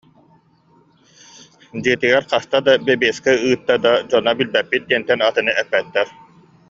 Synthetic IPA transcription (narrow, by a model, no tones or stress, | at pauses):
d͡ʑiɛt̪iɡɛɾqast̪ad̪abɛbiːskɛɯːt̪ːad̪ad͡ʑɔnabilbɛpːit̪̚d̪iɛnt̪ːɛnat̪ɯnɯʔɛpːɛt̪ːɛɾ